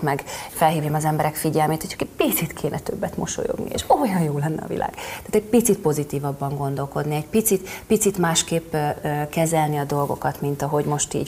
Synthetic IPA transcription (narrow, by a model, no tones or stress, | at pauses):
mɛɡfɛlɦiːvjɛmɒzɛmbɛɾɛkfiɟɛlmeːt̪hocʰɒ̥kɛpit̪sit̪kʰeːnʔɛt̪ø̰bːɛt̪mo̞̰ʃo̰jo̰ɡnḭḛʃojɒjjoːlɛnːɛ̰ɒ̰vḭlʔa̰ːɡ̥t̪aːt̪ɛɟ̚pit̪sit̪̚po̞zit̪iːvɒbːɒŋɡo̞nd̪o̞lko̞d̪niɛɟpit̪sit̪pit̪sit̪maːʃkeːpːkɛzɛlniɒd̪o̞lɡo̞̰kɒt̪mint̪ɒɦo̞ɟmo̞ʃt̪ḭːɟ